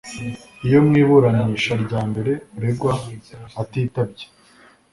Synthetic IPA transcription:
ijo̞mŋiːβuɾaniːʃaɾɟaːmbe̞ɾe̞uɾeɡwaː | tiːtab̚ɟe̥

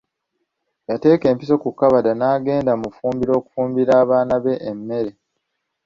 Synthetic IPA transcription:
jate̞ːke̞ːmpiso̞kukːaβadanaːɡe̞ːndamufuːmbiɾo̞ːku̥fuːmbiɾaːβaːnaβe̞ʔːmːe̞ɾe

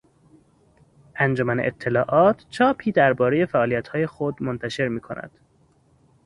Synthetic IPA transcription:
ʔænd͡ʒomæneʔḛt̪ʰːe̞lɒːʔɒːt̪ʰt͡ʃʰɒːpʰiːd̪æɾbɒːɾe̞je̞fæʔɒːlijæt̪hɒːje̞xod̪mont̪ʰæʃe̞ɾmiːkʰo̞̰nʔæ̰d̪̥

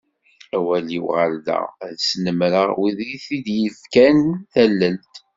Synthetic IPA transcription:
æwæliwʁəld̪ə̰ʁðsnəmɾəʁwiðiθid̪jəfkænθælːəlt̪

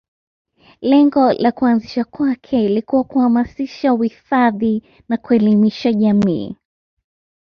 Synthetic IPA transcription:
lɛŋɡɔlʔakuanziʃakwakʰɛlikuwakuhamasiʃauhifaði | nakuɛlimiʃaʄamḭː

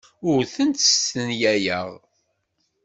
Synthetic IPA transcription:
ʊɾθənt̪st̪ənjæjəʁ

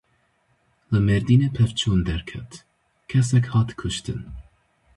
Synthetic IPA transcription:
ləmɛɾd̪iːnɛpʰɛvt͡ʃʰund̪ɛɾkʰɛt̪ | kʰɛsɛkhɑːt̪kʰuʃt̪ʰɨ̰n

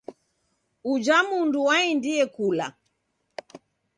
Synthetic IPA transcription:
ud͡ʒamunduwaindijɛkula

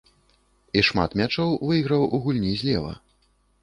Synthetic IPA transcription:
iʂma̰t̪mʲat͡ʂɔwvɨɣɾɐwʔuɣulʲnʲizʲlʲɛvɐ̰

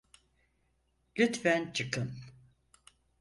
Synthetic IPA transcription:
lʲyt̪fænt͡ʃʰɯkʰɯm

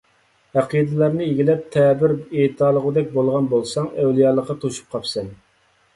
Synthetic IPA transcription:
hæqid̪ɨlˠɑɾnɨeɡʲilɛp̚t̪ʰɛːbɪɾet̪ʰɑːlˠəʁəd̪ɛk̚ʲbolˠʁɑnbolˠsɑŋɛwlˠijɑːlˠəqːɑt̪ʰoʃu̥p̚qʰɑpsɛn

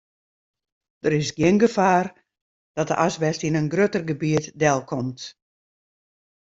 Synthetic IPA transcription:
d̥əɾɪsɡjɪnɡəfaːr | d̥ɔt̚də̰ʔasʋɛstinənɡrøtərɡəbiətdɛlˠkʰɔmt

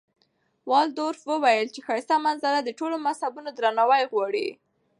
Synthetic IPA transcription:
wɑld̪oɾfwəwajəlt͡ʃexajsamanzalad̪əʈolomashabunod̪ɾanɑwajɣwɑɽḭ

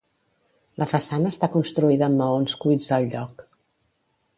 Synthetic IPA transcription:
lʔəfəsanəːst̪akunst̪ɾuiðəːmːəonskuid͡zd̪əlˠʎɔk

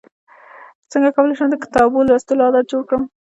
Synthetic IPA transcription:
t͡səŋɡakawəlajʃəmd̪əkɪ̥t̪ɑbolast̪əloɑd̪at̪̚d͡ʒoɽkɽəm

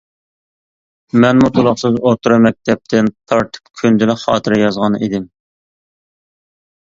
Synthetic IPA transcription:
mɛnmut̪ʰulˠʊχsɨzot̪ʰuɾɑmɛk̚ʲt̪ʰɛp̚t̪ʰɪnt̪ʰɑɾt̪ʰɨ̥pkʲʰynd̪ɪlɪχɑːt̪ʰɨɾɪjɑzʁɑnid̪ɪm

